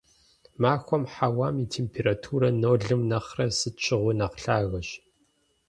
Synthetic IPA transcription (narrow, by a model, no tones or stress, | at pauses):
maːxʷɔmħawaːmitʰeːmpʰeːɾaːtʰuːɾɐnoːɮɨmnɐχrɐsɨt͡ʃʰʼɪʁʷʊnɐqɬaːɣɐɕ